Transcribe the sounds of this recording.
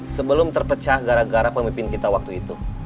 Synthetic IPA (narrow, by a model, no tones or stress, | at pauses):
səbəlʊmt̪ərpət͡ʃahɡaɾaɡaɾapəmimpɪnkit̪awak̚t̪uit̪u